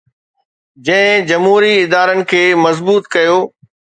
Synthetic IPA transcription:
d͡ʑɐ̃ɦɪ̃d͡ʑɐmɦuːɾiɪd̪aːɾənɪ̆kʰeːmɐzbuːt̪kɐjoː

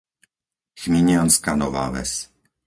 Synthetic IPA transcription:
xmiɲɪanskanɔva̰ːvɛ̰s

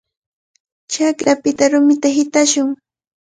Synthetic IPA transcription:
t͡ʃakɾapɪt̪aɾʊmɪt̪aɦɪt̪aʃʊŋ

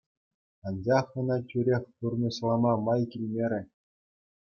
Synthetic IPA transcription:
ɑnd͡ʑɑχɤ̆nɑt͡ɕʲyɾʲexʲt̪urnɤ̆ɕlˠɑmɑmɑjkʲilʲmʲeɾʲɘ̆

